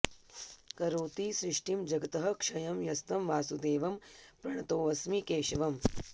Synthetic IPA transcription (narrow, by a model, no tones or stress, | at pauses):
kɐɾoːt̪iːsɾɪʂʈimd͡ʒɐɡɐt̪ɐɦɐkʂɐjɐmjɐst̪ɐmʋaːsud̪eːʋɐmpɾɐɳ̃ɐt̪oːʋɐsmikeːʃɐʋɐm